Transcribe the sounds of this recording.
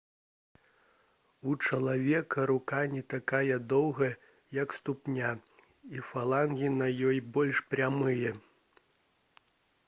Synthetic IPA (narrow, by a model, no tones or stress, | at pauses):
ut͡ʂɐlˠavʲɛkɐɾukanʲɛt̪akajɐd̪ɔwɣɐ | jɐkst̪upnʲa | ifalˠanɣʲinɐjɔjbɔlʲʂpɾʲamɨjɐ